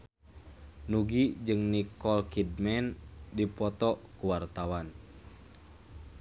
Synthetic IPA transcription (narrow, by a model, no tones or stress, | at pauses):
nuɡid͡ʒɨŋnikɔlkid̚mɛndipɔt̪ɔkuwart̪awan